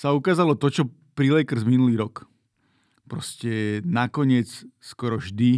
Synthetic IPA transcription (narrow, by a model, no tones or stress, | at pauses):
saukaːzalɔt̪ɔt͡ʃɔ | pɾilɛkɾ̩zminuliːɾɔk | pɾɔscɛnakɔɲɪɛt͡sskɔɾɔʒd̪i